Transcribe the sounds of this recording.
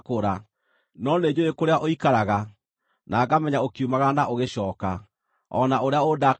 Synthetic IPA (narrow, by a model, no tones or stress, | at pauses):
koɾa | nɔned͡ʑoekoɾeaʔoikaɾaɣa | nʔaːɡamɛɲaokiumaɣanaʔoɣeɕɔːka | ɔ̰naoɾeaoda